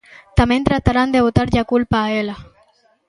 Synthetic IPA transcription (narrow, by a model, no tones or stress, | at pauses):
t̪ament̪ɾat̪aɾand̪eβot̪aɾʎakulpaːela